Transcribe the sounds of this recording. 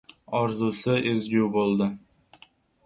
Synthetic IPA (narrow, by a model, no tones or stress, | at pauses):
ɒɾzusɪʔezɡʲuwbolˠd̪ɪ